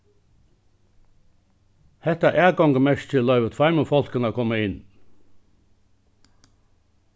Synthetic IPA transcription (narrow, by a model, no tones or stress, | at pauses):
hɛt̪æʔæːɡɑŋɡəmɛʃt̪ʰɪllœʏʋət̪fæɪməfɔlkənəːkʰɔməɪn